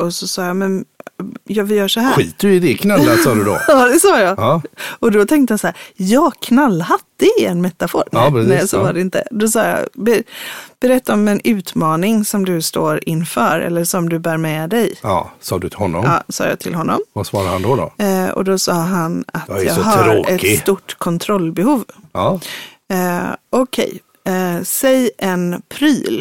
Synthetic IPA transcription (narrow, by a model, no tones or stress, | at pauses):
ɔsɔsɑːjamɛn | jɑːvɪjœːʂɔɦæːɧiːt̪ɵɪd̪ɪkʰnalːasɑːd̪ʉd̪ɔ̰ɑːd̪ɛsɑːjɑɑɔd̪ɔt̪ʰɛŋkt̪əjasaæːɾjɑːɡkʰnalːhat̪ːəɛnmɛt̪ːafo̰ːɾɾɛsɛjasovadɛɪnt̪ə̰d̪ɔsɑ̰ːjɑ̰bɛb̥ɛɾɛt̪ːaɔmɛnʉ̟ːt̪mɑːnɪŋsɔmd̪ɵst̪oːɾɪnːfœːɾɛ̰lːəʂɔmd̪ɵbæːɾmɛd̪ɛjɑ̰sɑ̰ːd̪ɵt̪ʰɪlhɔnːɔmɑ̰ːsɑ̰ːja̰ːt̪ʰɪlɦɔnːɔ̰mvasvɑːɾaɾhand̪ɔd̪ɔ̰ɔ̰d̪ɔsɑːɦanat̪jɑːɡɦaɾoːɛtkɪsst̪uʈːkʰɔnt̪ʰɾɔlːbɛhuːvɑː | ɔkʰɛ̰j | sɛjʔɛnpʰɾyːl